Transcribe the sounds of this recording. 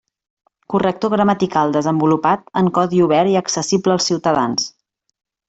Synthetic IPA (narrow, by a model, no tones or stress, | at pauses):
kurək̚t̪oɣɾəmət̪ikalˠd̪əzəmbulupat̪əŋkɔðiuβ̞ɛɾiəksəsibləːlˠsiwt̪əðans